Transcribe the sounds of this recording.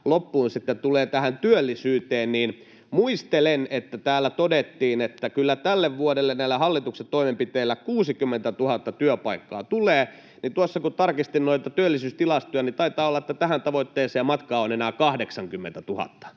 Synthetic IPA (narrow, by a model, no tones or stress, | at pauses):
lopːuːnsit̪ːet̪uleːt̪æhænt̪yølːisyːt̪eːnniːn | muist̪elenet̪ːæt̪æːlːæt̪odet̪ːiːnet̪ːækylːæt̪ælːeʋʋuodelːennæilːæhɑlːit̪ukset̪toimempit̪eːlːækuːsikymːẽnt̪æt̪uhɑt̪ːɑt̪yøpɑikːɑ̰ːt̪uleː | nit̪uosːɑkut̪ɑrkist̪innoit̪ɑt̪yølːisyːst̪ilɑst̪ujɑnit̪ɑit̪ɑːolːɑet̪ːæt̪æhænt̪ɑʋoit̪ːeːseːɑmɑt̪kɑːonenæːkɑhdeksɑŋkymːḛnt̪æt̪uhɑ̰t̪ːɑ̥